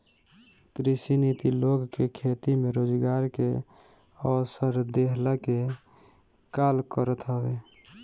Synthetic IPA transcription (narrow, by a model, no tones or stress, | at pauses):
kɾisinit̪iloɡkekʰet̪imeɾod͡ʒɡaɾke | əsəɾd̪eɦlake | kalkəɾət̪ɦəbe